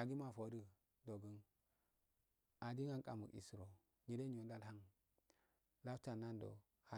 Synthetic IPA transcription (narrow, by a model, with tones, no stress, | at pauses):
a˨ɡi˦ma˨fo˨˦də˦ | do˨ɡə˦n | a˨di˦ŋa˦ŋkʼa˨mu˨ḭ˨sɾo˨ | ɲi˨de˦ɲ˦o˨nda˦lha˦ŋ | la˦fta˨nːa˦ndo̰˨ | ha˨